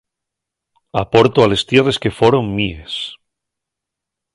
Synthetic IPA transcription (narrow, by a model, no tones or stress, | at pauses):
a̰po̞ɾt̪oale̞st̪jere̞ske̞foɾoŋmies